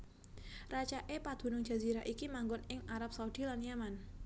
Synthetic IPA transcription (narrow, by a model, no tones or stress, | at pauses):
rat͡ʃaʔepad̪̥ṳnʊŋd͡ʒ̥a̤ziɾaʔikimaŋɡʊnɪŋaɾap̚saudilanjaman